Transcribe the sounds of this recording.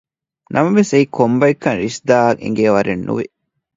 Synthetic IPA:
nʔɐmɐʋeseikʰombɐikːɐnɾisd̪aːḛŋ̆ɡeːʋɐɾenːṵʋi

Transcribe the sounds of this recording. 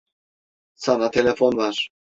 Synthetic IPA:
sʰanat̪ʰɛlɛfɔnvaɾ

